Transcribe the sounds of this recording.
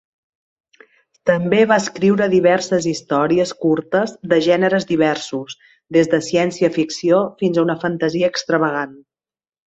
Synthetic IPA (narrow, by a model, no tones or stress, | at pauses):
t̪əmbeβaəskɾiwɾəðiβ̞ɛrsəzist̪ɔɾiəskuɾt̪əzðəʒɛnəɾəzd̪iβ̞ɛrsus | d̪ezðəsiɛnsiəfiksiofinzaunəfənt̪əziəːkst̪ɾəβ̞əɣan